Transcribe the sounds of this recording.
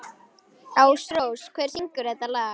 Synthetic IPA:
awsɾowskʰvɛːɾ̥siŋkʏɾɛt̪alaːa

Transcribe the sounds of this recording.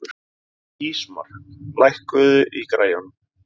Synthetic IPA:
ɾ | iːsma̰r̥klajhkʏðʏʔikɾa̰ːjan

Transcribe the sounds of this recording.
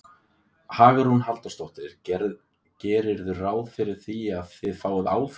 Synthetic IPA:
haːɣaɾhunɦalt̪ast̪owht̪ɪɾ̥ | cɛːɾɪɾðʏraːwðfɪɾɪɾ̥θiaðθɪðfaːwaða̰ːwf

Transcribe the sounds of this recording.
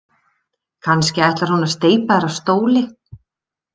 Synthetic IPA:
kʰanscɪajht̪laɾ̥hunast̪eːjpaðɛɾast̪oːwlɪ

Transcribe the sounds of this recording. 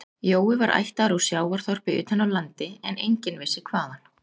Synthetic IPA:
joːwɪvaɾʔa̰jht̪aɾusjaːwaɾ̥θɔr̥pɪʏ̰ːt̪hɛnːawlant̪ɪɛnejɲcɪnvɪsːɪkʰvaːðan̥

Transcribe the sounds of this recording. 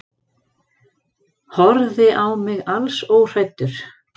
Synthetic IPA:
hɔɾðɪʔawmɪɣalsowr̥ajt̪ːʏɾ̥

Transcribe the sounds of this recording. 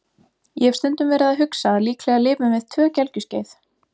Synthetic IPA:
jɛɛ̥fst̪ɛnt̪ʏmvɛːɾɪðaðɦʏksaliːkʰlɛɣalɪːpʏmvɪðt̪ʰvœːcɛlcʏsceːjθ

